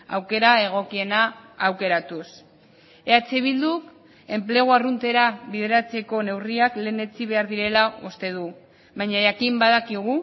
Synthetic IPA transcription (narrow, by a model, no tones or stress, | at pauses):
a̰wke̞ɾae̞ɣ̞o̞kie̞naːwke̞ɾat̪us | e̞at͡seβ̞ild̪uk | e̞mple̞ɣ̞uarunt̪e̞ɾaβiðe̞ɾat͡se̞ko̞ne̞wriakle̞ːne̞t͡siβ̞e̞aɾðiɾe̞laust̪e̞ð̞u | βajɲaʝakimbaðakiɣu